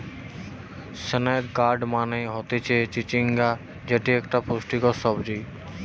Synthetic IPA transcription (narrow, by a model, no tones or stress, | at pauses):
sənekɡaɾɖmaneɦɔt̪et͡ʃʰet͡ʃit͡ʃiŋɡa | d͡ʑeʈiekʈaposʈikɔsɔbd͡ʒij